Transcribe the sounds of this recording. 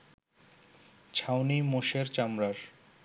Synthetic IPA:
t͡ɕʰawnimoʃeɾt͡ɕamɾaɾ

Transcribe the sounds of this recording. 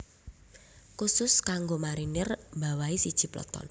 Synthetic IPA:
kusʊskaŋɡomaɾinɪrmbawaisid̥ʒ̥i̤plɔ̰t̪ɔ̰n

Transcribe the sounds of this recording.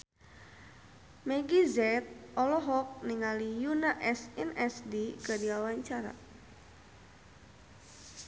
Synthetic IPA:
meɡizɛt̪̚ʔɔlɔɦɔk̚niŋalijunaʔɛsɛnɛsdikədiawaɲt͡ʃaɾa̰

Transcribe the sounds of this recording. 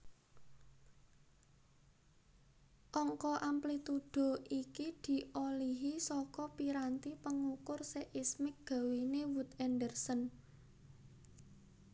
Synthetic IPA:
ʔɔŋkɔʔamplit̪uɖ̥o̤ikid̪̥i̤ʔoliɦisɔkɔpiɾant̪ipəŋukʊrseʔɪsmɪk̚ɡ̥a̤winewut̪ɛndərsən

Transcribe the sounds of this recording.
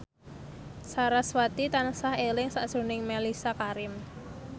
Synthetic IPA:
saɾaswat̪it̪ansahelɪŋsaʔdʒ̥ṳnɪŋmelisakaɾɪm

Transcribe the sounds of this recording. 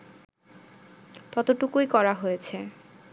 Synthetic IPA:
t̪ɔt̪oʈukujkɔɾaɦojet͡ɕʰe

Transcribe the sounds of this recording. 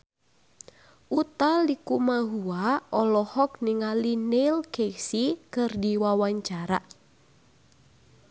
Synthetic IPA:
ʔut̪alikumaɦuaʔɔlɔhɔk̚niŋalinelkesikɨrdiwawaɲt͡ʃaɾa

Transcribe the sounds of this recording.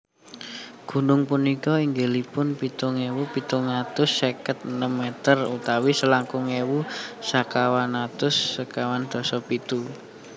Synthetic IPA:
ɡ̥ṳnʊŋpunikɔiŋɡe̤lipʊnpit̪uŋewupit̪uŋat̪ʊsːekət̪̚ənəmːet̪ərut̪awisəlaŋkʊŋewusakawanat̪ʊsːəkawand̪̥ɔ̤sɔpit̪u

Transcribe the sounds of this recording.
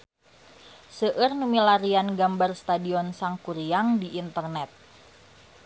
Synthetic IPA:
səʔɨrnumilaɾianɡambarst̪adiɔnsaŋkuɾiaŋdiʔːnt̪ərnɛt̪̚

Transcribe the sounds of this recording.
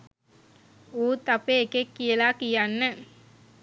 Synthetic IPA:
uːt̪apeekekːijəlakijanːə

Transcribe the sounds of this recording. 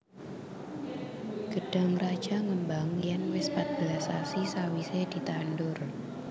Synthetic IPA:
ɡ̥əɖ̥a̤ŋrad̥ʒ̥a̤ŋəmbaŋjanwɪspat̪̚b̥əlasasisawised̥i̤t̪andʊr

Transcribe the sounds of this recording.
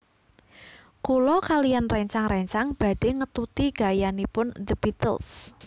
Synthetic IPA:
kulɔkalijanrɛɲt͡ʃaŋrɛɲt͡ʃaŋb̥a̤ɖ̥eŋət̪ut̪iɡ̥a̤janipʊnd̪əb̥it̪ə̰ls

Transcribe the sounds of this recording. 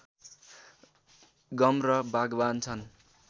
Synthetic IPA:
ɡʌmrʌbʱaɡbant͡sʰʌn

